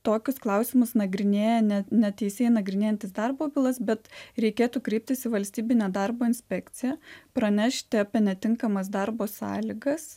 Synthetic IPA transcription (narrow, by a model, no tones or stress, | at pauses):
t̪oːkʲʊsklˠɐʊsʲɪmʊsnɐɡɾʲɪnʲeːjɛnʲɛnʲɛt̪ʲɛɪsʲeɛːɪnɐɡɾʲɪnʲeːjɛnt̪ʲɪsd̪ɐrboːbʲɪlˠɐsbʲɛt̪ɾʲɛɪkʲeːt̪uːkɾʲɛɪp̚ʲt̪ʲɪsɪʋɐlʲsʲt̪ʲiːbʲɪnʲeːd̪ɐrboːɪnʲsʲpʲɛkt̪t͡s̪ʲɪjɛpɾɐnʲɛʃʲt̪ʲɪɐpʲɛnʲɛt̪ʲɪŋkɐmɐs̬d̪ɐrboːsɑ̰ːlʲɪɡɐs